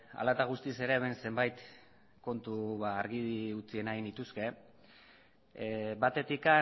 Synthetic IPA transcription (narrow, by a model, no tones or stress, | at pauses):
a̰lat̪aɣ̞ust̪ise̞ɾe̞ːme̞nse̞mbajt̪ | ko̞nt̪uβaːɾɣiðiut͡sie̞naɣinit̪uske̞ | bat̪e̞t̪ika